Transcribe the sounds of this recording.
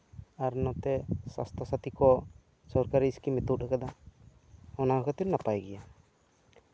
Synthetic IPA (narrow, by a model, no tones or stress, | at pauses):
aɾnɔt̪ɛsa̰st̪ɔsat̪ikɔ | sɔɾkaɾiːskimɛt̪uʔakad̪a | ɔnaɔkʰat̪iɾnapajɡɛja